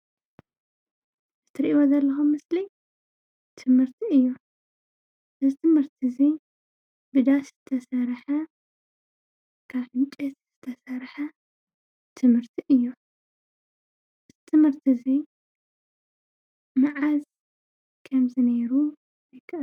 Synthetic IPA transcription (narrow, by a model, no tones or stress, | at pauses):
zɨt̪ʰɨɾiʔiwozɐlːɐxumːɨsli | t̪ʰɨmhɨɾt̪ʰiɨjːu | ʔɨzɨt̪ʰɨmhɨɾt̪ʰizi | bɨd̪asz̥ɨt̪ʰɐsɐɾħɐ | kʰaβħɨnt͡ʃʼɛt̪z̥ɨt̪ʰɐsɐɾħɐ | t̪ʰɨmhɨɾt̪ʰiʔɨjːu | ɨzɨt̪ʰɨmhɨɾt̪ʰizi | mɨʕaz | kʰɐmzɨneɾu | jɨkʰːɨʔ